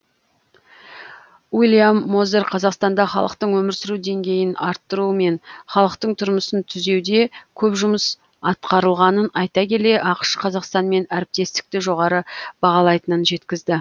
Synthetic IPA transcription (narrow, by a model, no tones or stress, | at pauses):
ulʲˠijamːo̞zeɾqʰɑzɑqst̪ɑnd̪ɑχɑ̰lˠəqt̪əɴwɵmɪɾsɪɾud̪e̞ŋɡʲe̞jɪnɑɾt̪ːəɾuəme̞nχɑlˠəqt̪əɴt̪ʰʊɾməsənt̪ʰʏze̞wd̪e̞kʲʰɵpʒʊməs | ɑt̪̚qɑɾəlˠʁɑnənɑjt̪ɑkʲe̞le̞ʔɑqə̥ʃqʰɑzɑqst̪ɑnme̞næɾɪp̚t̪e̞st̪ɪ̥k̚t̪ɪʒo̞ʁɑɾəbɑʁɑlˠɑjt̪ənənʒe̞t̪kʲɪzd̪ɪ